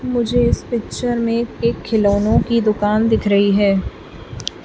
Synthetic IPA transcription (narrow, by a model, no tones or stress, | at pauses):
mʊd͡ʒʱeɪspɪkʃəɾmẽeːkʰːɪloːnõkid̪ʊkaːnd̪ɪkʰɾɐɦiɦɛː